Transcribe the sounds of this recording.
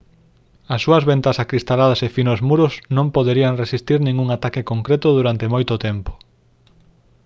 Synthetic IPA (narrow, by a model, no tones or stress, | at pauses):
ɐsːuɐzβent̪ɐsakɾist̪alaðɐsefinozmuɾʊznõmpoðeɾiaŋresist̪iɾnĩŋuŋat̪akekoŋkɾet̪ʊðuɾant̪emojt̪ʊt̪empo̥